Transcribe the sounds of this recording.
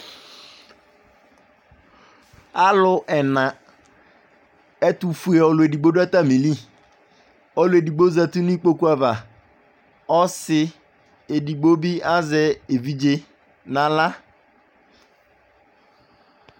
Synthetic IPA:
a˦lʊ˦ʔɛ˨nã˨ | ɛ˦tu˨fu˦e˨ɔ˨lʊ˨e˨di˨ɡ͡bo˦da˦ta˦mi˨li˦˨ | ɔ˦lʊ˨˦e˨di˨ɡ͡bo˦za˨tu˦nʊ˦i˦k͡po˦ku˦a˨va˨ | ɔ˦sɪ˦ | e˨di˨ɡ͡bo˦bi˦a˦zɛ˨e˨vi˦d͡ʒe˦ | nã˨la˦

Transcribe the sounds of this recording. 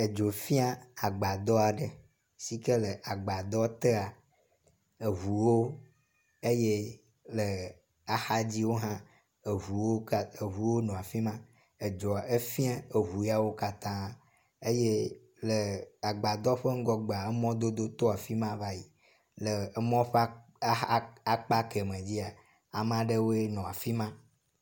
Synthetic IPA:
e˨d͡ʒo˨fĩ˦a˦a˨ɡ͡ba˨d̪ɔ˦a˨ɖə˨ | si˦kə˦lə˨ʔa˨ɡ͡ba˨d̪ɔ˦t̪e˦a˨ | e˨βu˨wo˦ | e˦je˦ | lə˨ | a˨xa˦d͡ʑi˦wo˦ɦã˦ | e˨vu˨wo˦˨e˨ɦu˨wo˦nɔ̃˨a˨fi˦mã˦ | e˨d͡ʒɔ˨e˦fi˦ã˦e˨ɦu˨ja˦wo˦ka˦t̪ã˦ | e˦je˦ | le˨a˨ɡ͡ba˨d̪ɔ˦ɸe˦ŋ̩˦ɡɔ˦ɡ͡ba˨e˦mɔ̃˦d̪o˦d̪o˦t̪o˦a˨fi˦mã˦va˦ji˨ | le˨˦mɔ̃˦ɸ | a˦k͡pa˦ke˨mẽ˨d͡ʑi˦a˨ | a˨m˦ã˦ɖe˦wo˦e˦nɔ̃˨a˨fi˦mã˦

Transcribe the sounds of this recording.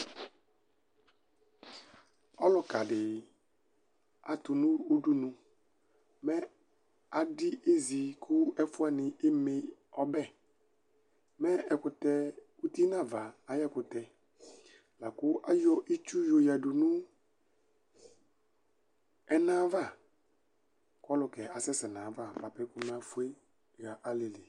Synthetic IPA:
ɔ˦lɔ˨ka˨dɪ˨ | a˨t̪ʊ˨nʊ̃˦o˦du˦nʊ̃˨ | mɛ˦ | a˨dɪ˦ʔe˦zi˨kʰʊ˦ɛ˦fʊ˦a˦˨nɪ̃˨ɪ˦me˦ | ɔ˦bɛ˦˨ | mɛ˦ɛ˨kʊ˨t̪ɛ˨ | u˦ti˦na˦˨va˨a˨˦jɛ˦˨kʊ˨tɛ˨ | la˨kʊ˦ʔa˦jɔ˦ʔi˦t͡ʃu˦jo˨ja˨du˨nu˦ | ɛ˦nã˦va˦˨ | kɔ˦lʊ˨kɛ˨a˨sɛ˦sɛ˨nã˨˦va˦˨ba˨pɛ˦kʊ˦mɛ˨˦a˨˦fu˨˦e˦ | ɣa˨ʔa˨le˨li˨

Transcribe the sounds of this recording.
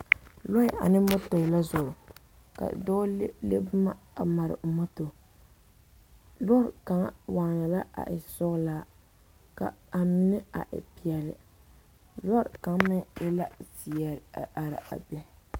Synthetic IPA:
lɔ˦ɪ˦˨ʔa̰˨nɪ˦mo˦to˨ɪ˨la˦zʊ˨ʔʊ˨ | ka̰˨dɔ˦lḛ˦bʊ˦ma˦a˨ma˨ɾɪ̰˨mo˦to˨ | lɔ˦ɾka˨ŋ˦wa˨ŋ˨ja˨la˦a̰˨ʔɪ˨sʊ˦ɣlaː˦ | ka̰˨a˨mɪ˦nɪ˦a̰˨ʔɪ̰˨pi˨ɛ˨lɪ̰˨ | lɔ˦ɾka˨ŋ˦mɪ˦ɪ˦la˦si˨jɛ˨ɾa˨ɾɪ̰˨ʔa̰˨bɛ˨

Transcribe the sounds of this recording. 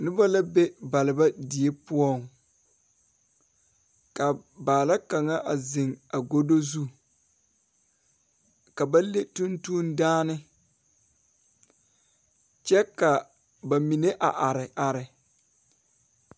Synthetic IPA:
nɪ˦ba˦la˦be˦ba˨lɪ˨ba˦di˨e˦pʊ˦ɔ˦˨ŋ | ka˨baː˨la˦ka˨ŋa˦ʔa˨zɪ˨ŋa˨ɡo˦do˦zu˦ | ka˨ba˦le˦tu˦ntu˦ndaː˦nɪ˦ | t͡ʃɛ˦ka˨ | ba˨mi˨ne˦ʔa˨ʔa˨ɾɪ˨ʔa˨ɾɪ˨

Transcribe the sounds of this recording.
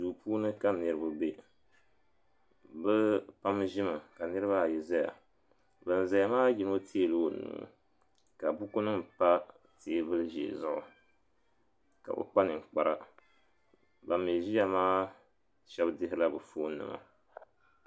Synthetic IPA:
duː˨puː˦nɨ˦ka˦nɨ˨ɾɨ˦ba˨be˦ | bɛ˦pa˦mʒɪ˦mɨ˨ka˨nɨ˦ɾɨ˦βa˦˨jɛ˨za˦ja̰˨ | bɨ˨n˨za˨ja˦maː˦ji˨˦no˦tʰi˦e˦˨lɨ˦˨nṵː˨ | ka˨bu˦ku˦nɨ˦mpa˦ | te˨˦bɨ˦lɨ˦ʒḛ˨zʊ˦ʔʊ̰˨ | ka̰˨ʔo̰˨k͡pa˦nɨ˨ŋ̩˨k͡pa˨ɾa˦ | ba˨me˨ʒi˦a˨maː˦ | ʃɛ˦bdɨ˦ɦɪ˦la˦bɨ˨foː˦nɨ̰˨ma̰˨

